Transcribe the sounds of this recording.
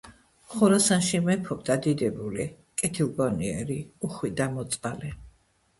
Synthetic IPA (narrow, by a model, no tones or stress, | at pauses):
χuɾasanʃimɛpʰɔb̚d̪ad̪id̪ɛbuli | kʼɛt̪ʰilˠɡɔniɛ̰ɾiuχwid̪amɔt̪sʼalɛ